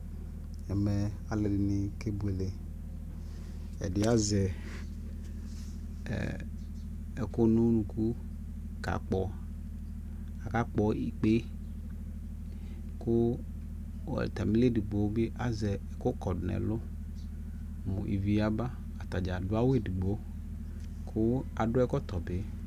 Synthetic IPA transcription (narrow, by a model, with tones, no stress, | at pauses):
ɛ˨me˨ | a˨le˨dɪ˨ni˨ke˦bu˨e˨le˨ | ḛ˨dɪ˨a˦zɛ˨ | e˨ko˦nũ˦nũ˨ku˦ | ka̰˨k͡pɔ˨ | a˨ka˦k͡pɔ˨i˨k͡pe˦ | ko˦˨ | t̪a˨mi˦le˦di˨ɡ͡bo˨˦be˦ʔa˨zɛ˨ko˦kɔ˨dnɛ̰˨lʊ˦ | mõ̰˨ʔḭ˨vi˦a˦ba˦ | a˨t̪a˨d͡ʒa˨dʊ˦a˦wo˦e˦di˨ɡ͡bo˦ | kʰʊ˦a˨ɖʊ˦ɛ˦kɔ˦t̪ɔ˨be˦